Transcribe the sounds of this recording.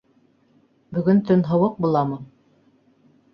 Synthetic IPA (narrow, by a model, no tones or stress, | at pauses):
bɵ̆ɡɵnt̪ɵnɦɤ̆wɤq̚bulˠɑmɤ